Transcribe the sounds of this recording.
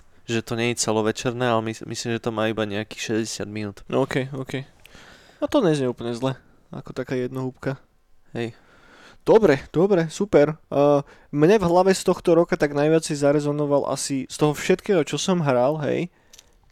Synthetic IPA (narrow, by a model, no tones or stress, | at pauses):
ʒɛt̪ɔɲɛit͡sɛlɔʋɛt͡ʃɛɾnɛalɛmimislimʒɛt̪ɔmaːibaɲɛaki̥xʃɛzɟɛsɪad̪minuːt̪ɔːkɛjɔːkɛj | at̪ɔɲɛzmɛupl̩ɲɛzlɛ | a̰kɔt̪akaːjɛd̪nɔɦupka | ɦɛj | d̪̥ɔbɾɛd̪̥ɔbɾɛsupɛɾː | mɲɛvɦlaʋɛst̪ɔxt̪ɔɾɔkat̪aɡnajʋɪat͡sɛjzaɾɛzɔnɔʋalʔa̰sist̪ɔɦɔfʃɛt̪kɛːɦɔt͡ʃɔsɔmɦɾalˠɦɛ̰j